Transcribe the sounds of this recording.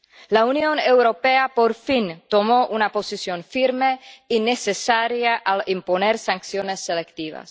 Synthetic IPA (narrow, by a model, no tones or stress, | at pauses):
launjonewɾopeapoɾfint̪omoʔunaposisjonfiɾmeinesesaɾjaʔalimponeɾsaŋksjonesːelekt̪iβa̰s